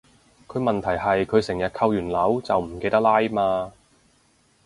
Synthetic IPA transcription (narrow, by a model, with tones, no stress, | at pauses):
kʰɵ˨˧ɥmɐ˨nt̪ʰɐ˨˩jɦɐ˨jkʰɵ˨˧ɥsɪ˨˩ŋjɐ˨t̚kʰɐ˧wjyː˨˩nlɐ˨˥wt͡sɐ˨wm̩˨˩ke˧jt̪ɐ˥laː˥jmaː˧